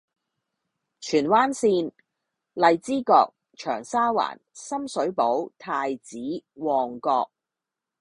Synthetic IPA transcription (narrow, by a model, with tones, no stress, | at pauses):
t͡ʃʰyː˨˩nwaː˥nsiː˧n | lɐ˨˧jt͡siː˥kɔː˧k̚ | t͡ʃʰœ̰ː˨˩ŋsaː˥wa̰ː˨˩nsɐ˥msɵ˨˥ɥpo˨˥wt̪ʰaː˧jt͡siː˨˥wɔː˨ŋkɔː˧k̚